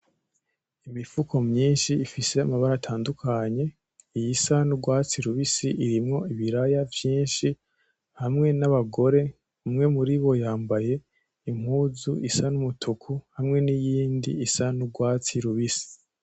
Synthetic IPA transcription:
imifukʰo̞mɲiːnʃiːfise̞amaβaɾatʰaːndukʰaɲe̞ | ijisanuɡwaːt͡siɾuβisiʔiɾimŋo̞iβiɾajavjiːnʃi | hamŋe̞naβaɡo̞ɾe̞ | umŋe̞muɾiβo̞jaːmbaje̞ | im̥huːzuʔisanumutʰukʰuhamŋe̞nijiːndiisanuɡwaːt͡siɾuβisi̥

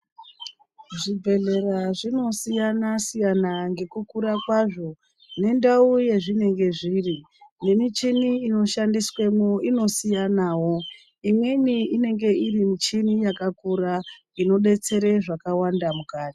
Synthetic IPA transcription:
ʐibʱe̞ɮe̞raʐino̞sijanasijanaŋɡe̞kukuɾakwaʐo̞ | ne̞ndauje̞ʐine̞ŋɡe̞ʐiːri | ne̞mit͡ʃiniːno̞ʃandiswemoino̞sijanaːwo̞ | imwe̞niine̞ŋɡe̞irimit͡ʃinijakakuɾa | ino̞ɗe̞t͡se̞ɾeʐakawandamukaːti̥

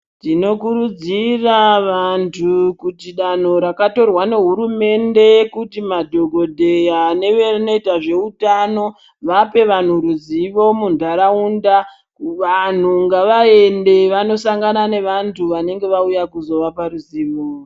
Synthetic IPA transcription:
tino̞kuɾud͡ziraʋantʰukutiɗan̤o̞ɾakato̞rwane̞ɦuɾume̞nde̞kutimadʱo̞ɡʱo̞dʱe̞jane̞ʋerino̞itaʐe̞utano̞ | ʋape̞ʋan̤uɾuziʋo̞mundʱaɾaunda | ʋan̤uŋɡaʋae̞nde̞ʋano̞saŋɡanane̞ʋantʰuʋane̞ŋɡe̞ʋaujakuzo̞ʋapaɾuziːʋo

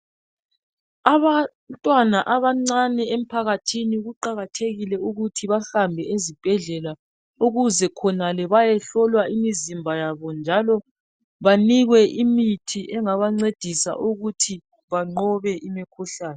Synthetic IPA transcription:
aβa | ntʼwanaʔaβaŋ͡ǀanɛem̩pʰaɣatʰiniuɣuǃaɣatʰeɣilɛuɣutʰiβaɬambʱɛezib̥ʱɛɮɛla | uɣuzɛkʰɔnalɛβajɛɬɔlwaimizimbʱajaβɔnd͡ʒʱalɔ | βaniɣwɛʔimitʰiʔɛŋaβaŋ͡ǀed̥ʱisa̰ʔuɣutʰi | βaŋ͡ǃɔβɛʔimikʰuɬaːnɛ

